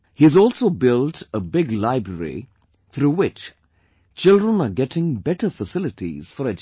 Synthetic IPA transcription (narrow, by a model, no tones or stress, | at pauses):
hiɨzɔːlˠsoʊbɪltəbɪɡlaɪbɾəɾḭ | t̪ʰɾuːwɪt͡ʃ | t͡ʃɪlˠdɹə̃naɡɛʈɪ̃ŋbɛʈəfəsɪlɪtʰḭz̥fəɾɛd͡ʒ